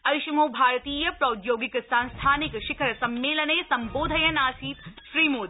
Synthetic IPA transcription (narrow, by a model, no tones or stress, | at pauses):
ɐʃimobʱaːɾt̪iːjɐpɾɐʊd̪joːɡɪkst̪aːnst̪ʰaːnɪkʃɪkʰəɾɐsɐmːeːlənejsɐ̃mboːd̪ʱɐjɐnaːsiːt̪ʃɾiːmoːd̪